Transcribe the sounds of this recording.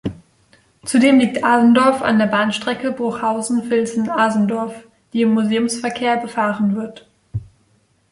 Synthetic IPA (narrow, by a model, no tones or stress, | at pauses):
t͡sudeːmliːk̚tʔaːzn̩dɔɐfa̰ndeːɐbaːnʃtʁ̥ɛkəbʊɐxhaʊzn̩fɪlzn̩aːzn̩dɔɐf | d̥iːɪmːuzeːʊmsfɛɐkʰeːɐbəfaːʁənvɪɐt